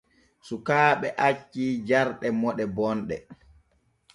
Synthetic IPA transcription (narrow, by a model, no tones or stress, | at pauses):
sukaːɓɛʔat͡ʃːiːd͡ʒaɾɗɛmɔɗɛbɔnɗɛ